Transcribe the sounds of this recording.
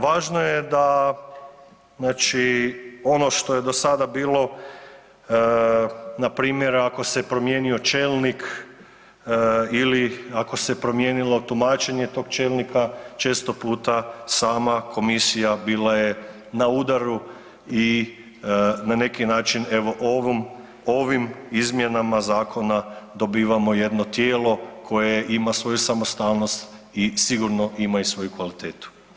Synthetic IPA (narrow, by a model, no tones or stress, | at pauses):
ʋaːʒno̞jed̪a | znaːt͡ʃio̞no̞ʃt̪o̞je̞d̪o̞sad̪abiːlˠo̞ | napɾiːmje̞ɾako̞sepɾo̞mje̞ːnio̞t͡ʃe̞ːlˠnik | iliako̞se̞pɾo̞mje̞ːnilo̞t̪umaːt͡ʃe̞ɲe̞t̪o̞ːɡt͡ʃe̞ːlˠnikat͡ʃe̞ːst̪o̞puːt̪asaːmakʰo̞misijabiːlaje̞ | naud̪aɾu | i | nane̞kinaːt͡ʃine̞ʋo̞ʔoʋim | o̞ʋimizmje̞namazaːkʰo̞nad̪o̞biːʋamo̞je̞d̪no̞t̪je̞ːlo̞kʰo̞je̞ʔimasʋo̞jusamost̪aːlno̞st̪ | isiɡuɾno̞ʔimaisʋo̞jukʋalit̪e̞ːt̪u̥